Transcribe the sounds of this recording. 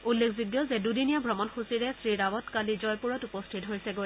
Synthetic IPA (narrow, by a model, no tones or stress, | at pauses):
ulːekʰzuɡjɔzɛdudinijabʱɹɔmɔnxusiɹɛsɹidawɔtkalizɔjpuɹɔtupɔstʰitɦoɹsɛɡoj